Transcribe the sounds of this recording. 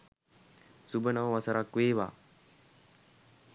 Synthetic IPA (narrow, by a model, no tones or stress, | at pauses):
subənaʋʋasəɾakʋeːʋa̰ː